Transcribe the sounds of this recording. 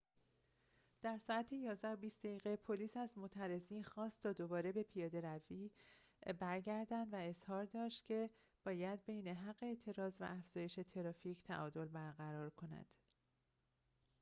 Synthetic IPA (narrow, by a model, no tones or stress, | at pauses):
d̪̥æɾsɒːæt̪ʰejɒːzd̪æobiːst̪d̪eiːɣepʰo̞liːsæzmot̪ʰæɾe̞ziːnxɒːst̪t̪ːʰɒːd̪o̞bɒːɾe̞be̞pʰijɒːd̪e̞ɾæviː | bæɾɟæɾd̪ænd̪væe̞z̥hɒːɾd̪ɒːʃt̪cʲʰe̞ | b̥ɒːjæd̪̚be̞jne̞ɦæɢːe̞eːt̪ʰe̞ɾɒːzvæ̰ʔæfz̥ɒːje̞ʃe̞t̪ʰe̞ɾɒːfiːcʰt̪ʰæ̰ʔɒːd̪o̞lbæɾɣæɾɒːɾkʰo̞næ̰d̪̥